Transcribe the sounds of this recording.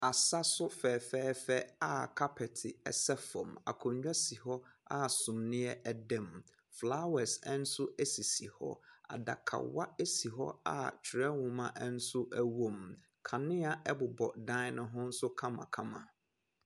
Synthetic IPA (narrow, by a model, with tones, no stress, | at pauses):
a˨sa˦sʊ˦fɛː˨fɛː˦fɛ˦a˦˨kʰa˦pʰɛ˨tʰɪ˨ɛ̰˦˨sɛ˦fɔ̰̃˨ma̰˨kʰʊ̃˨ɲ˦ɲᶣa˦si˨hɔ˦a˦˨sʊ̃˨mnɪ̃˦ɛ˦ʔɛ˦dɛ̃˦˨m | fla˦wɛ˨sɛ˦n̩˦sʊ˦e˦si˨si˨hɔ̰˦a̰˨da̰˨kʰa̰˨wa̰˦e˦si˨ɦɔ̰˦a̰˦t͡ɕʰɪ˨ɾɛ˦wʊ̃˨mã˦ʔɛ˦n̩˦sʊ˦ʔæ˦wo˦˨m | kʰã˨nɪ̃˦a˨ʔɛ˦bʊ˨bɔ̰˨dã˦nʊ̃˨ɦʊ̃˦n̩˦sʊ˦kʰã˦mã̰˨kʰã˦mã̰˨